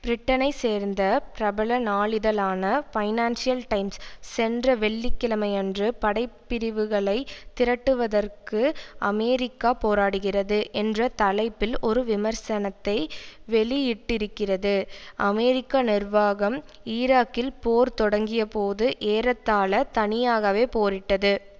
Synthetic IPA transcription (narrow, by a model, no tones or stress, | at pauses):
b̥ɾɪʈːɐnɐɪseːɾnd̪ɐpɪɾɐbɐɭɐnaːɭɪðɐlaːnɐfɐɪnaːnsɪjɐlʈɐɪmsːɛndrɐʋɛɭːɪkːɪlɐmɐɪɛndrɯpɐɽɐɪpːɪɾɪʋɯɣɐɭɐɪt̪ːɪɾɐʈːɯʋɐðɐrkɯʔɐmɛːɾɪkːaːpoːɾaːɽɯɣɪrɐðɯʔɛndrɐt̪ɐlɐɪpːɪlʔɔɾɯʋɪmɐɾsɐnɐt̪ːɐɪʋɛɭɪjɪʈːɪɾɯkːɪrɐðɯʔɐmɛɾɪkːaːnɪrʋaːɣɐm | ɪːɾaːkːɪlpoːɾt̪ɔɽɐŋɡɪjɐpoːðɯʔeːɾɐt̪ːaːlɐt̪ɐnɪjaːɣɐʋeːpoːɾɪʈːɐðɯ